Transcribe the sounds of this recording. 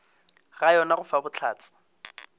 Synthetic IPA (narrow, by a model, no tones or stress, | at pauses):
ɣajɔnaɣʊfabʊt͡ɬʰa̰ːt͡sʰɪ̥